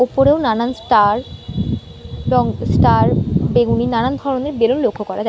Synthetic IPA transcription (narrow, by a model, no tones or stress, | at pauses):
opoɾeonanansʈaɾ | bɔŋsʈaɾbeɡuninanand̪ʱɔɾoneɾbelonlokʰːokɔɾad͡ʑa